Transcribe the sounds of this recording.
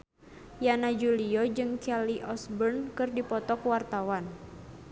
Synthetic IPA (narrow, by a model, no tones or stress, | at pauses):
janad͡ʒuliɔd͡ʒɨŋkɛliʔɔsbərnkɨrdipɔt̪ɔkwart̪awan